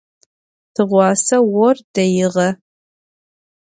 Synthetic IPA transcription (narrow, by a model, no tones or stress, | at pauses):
tʰɨʁʷɑːsɐwɔrdɐjɪʁɐ